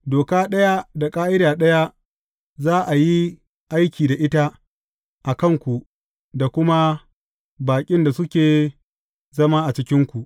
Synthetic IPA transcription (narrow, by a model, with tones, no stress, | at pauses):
doː˨kaː˦ɗɐ˦ja˦da˨kʼaː˦ʔɪ˦ɾaː˨ɗɐ˦ja˦ | zaː˦ʔa˨ji˦ | ʔa˦jkʲiː˨da˨ʔɪ˦ta˦ | ʔa˨kɐ˦˨ŋkʷu˨ʔ | da˨kʷʊ˦ma˦ | baː˨kʲʼɪ˦nda˨sʊ˦kʲeː˨ | zɐ˦maː˦ʔa˨t͡ʃɪ˦kʲɪ˦ŋkʷu˨ʔ